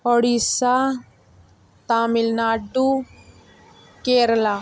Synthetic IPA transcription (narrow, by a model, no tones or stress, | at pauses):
ɔɽisa | t̪aːmilnaːɖu | keːɾla